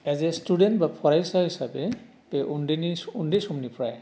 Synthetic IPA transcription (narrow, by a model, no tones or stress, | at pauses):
ɛzɛstudɛntbapʰɔɹajsaɦisabɛ | pɛʔundeniundesɔmnipʰɹaj